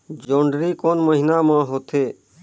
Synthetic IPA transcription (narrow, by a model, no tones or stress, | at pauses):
d͡ʒõːɳɖɾikoːnməɦinamãɦoːt̪eː